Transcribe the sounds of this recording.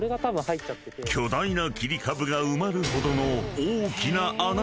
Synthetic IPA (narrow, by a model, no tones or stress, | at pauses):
ɾe̞ɡat̪abɯ̃haitt͡ɕat̪ːekʲʰo̞d̪ainakʲiɾʲikʰabɯ̟ɡaɯ̟maɾɯ̟ho̞d̪o̞no̞oːkʲinaʔan